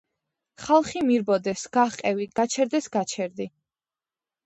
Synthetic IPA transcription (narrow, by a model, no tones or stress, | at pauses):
χalˠχimiɾbɔd̪ɛsɡaqʼɛviɡ̥at͡ʃʰɛɾd̪ɛsɡat͡ʃʰɛɾd̪i